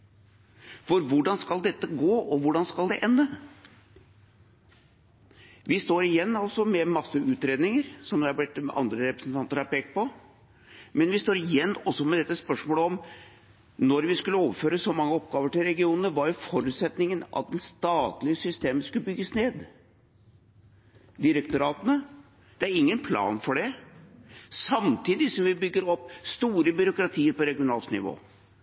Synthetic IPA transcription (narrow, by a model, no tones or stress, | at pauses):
fɔɾʋʊɖɑnskɑld̪ɛt̪ːəɡoːʔɔʋʊɖɑnskɑld̪ɛʔɛnːə | ʋɪst̪oːɾɪjɛnːɑlsɔmɛmɑsːəʉːt̪ɾeːd̪nɪŋəɾsɔmd̪ɛɑɾb̪ɪt̪ɑ̰nd̪ɾəɾɛpɾəsn̩t̪ɑnt̪əɾɑpeːk̚t̪̚pɔ | mɛnʋɪst̪oːɾɪjɛnːɔsːɔmɛd̪ɛt̪ːəspœʂmoːləɔm | nɔɾʋɪskʉlːəoːʋəføːɾəsɔmɑŋːəɔpɡɑːʋəʈɪlɾɛɡɪuːnənəʋɑɾjʊfɔɾʉːt̪sɛt̪nɪŋənʔɑ̰t̪̚d̪ɛnst̪ɑːt̪lɪəsʏst̪eːməskʉləbʏɡːəsneːd̪ | d̪ɪɾəkt̪ʊɾɑːt̪ənə | d̪̥ɛæɾɪŋːənpʰlɑ̰ːnfɔɖɛ | sɑmt̪ʰiːd̪ɪsɔmʋɪbʏɡːəɾɔpːst̪uːɾəbʏɾʊkɾɑt̪ʰiːəɾpɔɾɛɡɪʊnɑːlsnɪ̰ʋo̰ː